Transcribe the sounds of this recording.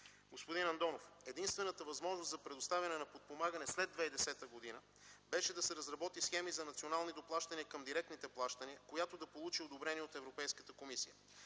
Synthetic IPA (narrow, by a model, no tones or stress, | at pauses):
ɡospod̪inɐnd̪ɔnofɛd̪inst̪vɛnət̪əvɐzmɔʒnoszɐpɾɛd̪ost̪avʲɐnɛnɐpot̪̚pomaɡənɛslɛd̪vɛjd̪ɛsɛt̪əɡod̪inə | bɛʃɛd̪ɐsɛɾɐzɾɐbɔt̪isxɛmizɐnɐt̪sionalˠnid̪oplˠaʃt̪əniəkɐmd̪iɾɛk̚t̪nit̪ɛplˠaʃt̪əniəkojat̪od̪ɐpolˠut͡ʃiod̪obɾɛniɛot̪ɛvɾopɛjskət̪əkomisijə